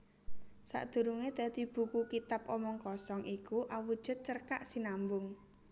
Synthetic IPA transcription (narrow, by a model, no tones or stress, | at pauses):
sa̰ʔd̪̥ṳɾuŋed̪̥a̤d̪̥i̤b̥ṳkukit̪ap̚ɔmɔŋkɔsɔŋʔikuʔawud̥ʒ̥ʊ̤t̪̚t͡ʃərkaʔsinambʊŋ